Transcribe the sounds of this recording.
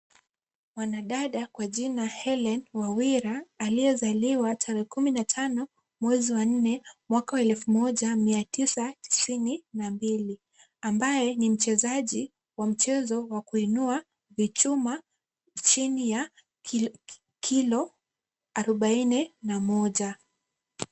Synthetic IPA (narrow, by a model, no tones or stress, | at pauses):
wanaɗaɗakwaʄinahɛlɛnwawiɾaːliɛzaliwatʰaɾɛɛkuminatʰanɔ | mwɛziwan̩nɛmwakawɛlfumɔʄamiatʰisati̥sininambili | ambajɛnim̩t͡ʃɛzaʄi | wam̩t͡ʃɛzɔwakuinua | vit͡ʃuma | t͡ʃinija | kʰilɔ | aɾɔɓaininamɔʄa